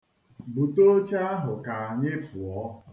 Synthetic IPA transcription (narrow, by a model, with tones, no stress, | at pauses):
bu˨to˦t͡ʃa˦a˦ɦʊ˨ka˨a˨ɲɪ˦pʊ˨ɔ˦